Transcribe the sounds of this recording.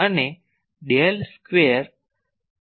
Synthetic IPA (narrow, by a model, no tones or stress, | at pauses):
əne | ɖelskʋeəɾ